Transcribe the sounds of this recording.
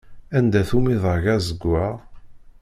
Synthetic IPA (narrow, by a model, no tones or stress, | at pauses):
ænd̪æθumiðˤəʝæzəɡʷːæ